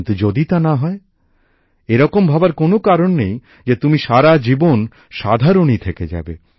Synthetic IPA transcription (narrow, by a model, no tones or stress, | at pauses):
nt̪ud͡ʑod̪it̪anaɦɔe | eɾɔkombʱabaɾkonokaɾonːej | d͡ʑet̪umiʃaɾad͡ʑibon | ʃad̪ʱaɾonit̪ʰeked͡ʑa̰be